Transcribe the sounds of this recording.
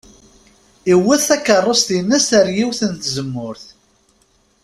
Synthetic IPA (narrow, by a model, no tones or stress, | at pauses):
iwːæθækːərˤːost̪inːəsəɾjiwθənt̪zəmːʊɾθ